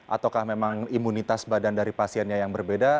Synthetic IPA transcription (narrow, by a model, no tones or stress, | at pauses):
ʔa̰t̪awkahmemaŋimunit̪asbadandaɾipasiɛnɲajaŋbərbeda